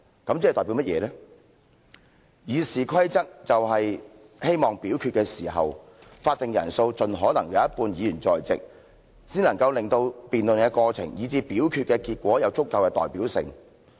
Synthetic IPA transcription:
kɐ˨˥mt͡si˥˨t̪ɔː˨˩pi˨˦˥mɐ˥t̚jɛ̰ː˨˧lɛː˥ | jiː˨˧siː˨kʰɐ˥jt͡sɐ˥t̚t͡sɐ˨wɦɐ˨j | he˥jmɔː˨˩ŋpiː˨˥wkʰy˧t̚kɛː˧siː˨˩ɦɐ̰˨w | faː˧t̚t̪ɪ˨ŋjɐ̰˨˩nso˧wt͡sɵ˨nɦɔː˨˥nɐ˨˩ŋjɐ˨˧˦ɐ˥t̚puː˧njiː˨˧jyː˨˩nt͡sɔ̰ː˨jt͡sɪ̰˨k̚ | siː˥nlɐ˨˩ŋkɐ˧wlɪ˨ŋt̪o˧wpiː˨nlɵ˨nkɛ˧kɔː˧t͡sʰɪ̰˨˩ŋjiː˨˧t͡siː˧piː˨˥wkʰy˧kɛː˧kiː˧t̚kʷɔː˨˥jɐ˨˧wt͡sʊ˥kːɐ˧wkɛː˧t̪ɔː˨˩jpiː˨˥wsɪ̰˨ŋ

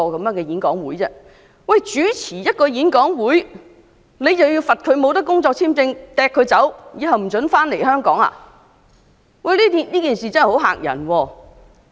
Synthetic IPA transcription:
ɔː˧kɐ˨˥mjœː˨˧˥ŋkɛː˧jiː˨˥nkɔː˨˥ŋwuː˨˥jt͡sɛː˥ | wɐ˨jt͡ʃyː˨˥t͡sʰiː˨˩jɐ˥t̚kɔː˧jiː˨˥nkɔː˨˥ŋwuː˨˥j | ne˨˧jt͡sɐ˨wjiː˧wfɐ˨t̚kʰɵ˨˧ɥmo˨˧wt̪̬ɐ˥kːʊ˥ŋt͡sɔː˧k̚t͡sʰiː˥mt͡sɪ˧ŋt̪ɛː˨˧kʰːɵ˨˧ɥt͡sɐ˨˥wjiː˨˧ɦɐ˨wm̩˨˩t͡sɵ˨˥nfaː˥nle˨˩jɦœː˥ŋkɔː˨˥ŋa̰ː˧ | wɐ˥˨jliː˥t̪i˨nliː˥kiː˨˩nsiː˨t͡sɐ˥nhho˨˥wɦa̰ː˨˩k̚jɐ̰˨˩nwɔː˧

